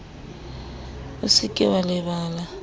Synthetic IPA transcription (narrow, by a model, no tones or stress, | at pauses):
ʊsɪkʼɪwalɪβaːla